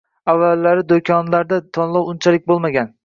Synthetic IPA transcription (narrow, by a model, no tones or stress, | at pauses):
avːalːaɾɪd̪okʲʰɒnlaɾd̪at̪ʰɒnlˠɒwʊnt͡ʃʰalɪk̚ʲbolˠmaɡʲan